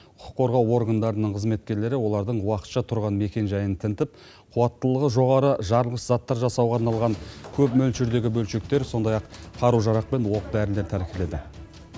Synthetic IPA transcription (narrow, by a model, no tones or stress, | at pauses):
ʊqʰʊ̥qʰːo̞ɾʁɑwo̞ɾɡand̪ɑɾənəɴqʰəzme̞t̪̚kʲe̞ɾle̞ɾɪwo̞lˠɑɾd̪əɴwɑqə̥t̪ʃɑt̪ʰʊɾʁɑnme̞kʲe̞nʒɑjənt̪ʰɪnt̪ɪp̚ | qʰuwɑt̪ːəlˠəʁəʒo̞ʁɑɾəʒɑɾəlˠʁəszɑt̪ːɑɾʒɑsɑwʁɑːɾnɑlˠʁɑŋkʲʰɵpmɵlʃɪɾd̪e̞ɡʲɪbɵlʃe̞k̚t̪e̞ɾso̞nd̪ɑjɑqqʰɑɾuʒɑɾɑq̚pe̞nwo̞qb̪æɾɪnld̪e̞ɾt̪ʰæɾkʲele̞d̪ɪ